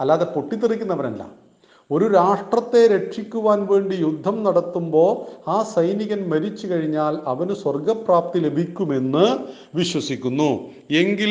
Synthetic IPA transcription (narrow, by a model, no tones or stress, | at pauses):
ɐlːaːðe̞po̞ʈːit̪ːirik̬ʲːunːɐʋɐnɐlːɐ̰ | o̞ɾuɾaːʂʈrɐt̪ːe̞ɾe̞ʈʂikʲːuʋaːnʋe̞ːɳɖijud̪ʱːɐmnɐɽɐt̪ːumbo̞ːaːsɐjniɣɐnmɐɾit͡ɕːɨkɐɻiɲːaːlɐʋɐnɨswɐrɡɐpraːp̚t̪ile̞bʱikʲːume̞nːɨ | ʋiɕwɐsikʲːunːu | e̞ŋɡil